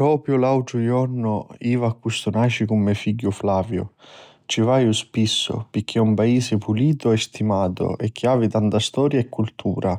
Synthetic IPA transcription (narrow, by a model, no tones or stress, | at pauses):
pɾɔːpɾjʊlawʈ̪ɾʊjɔrnʊiːvakːust̪ʊnaːt͡ʃikʊmːɪfiɟːʊflaːvjʊ̰ | t͡ʃivaːjʊspisːʊ̰pɪk̟ʰːɛumpaiːsɪpuliːt̪ʊɛst̪imaːt̪ʊ̰ʔɛkːjaːvit̪ant̪ast̪ɔːɾjaɛkʰːult̪ʰṵːɾʔa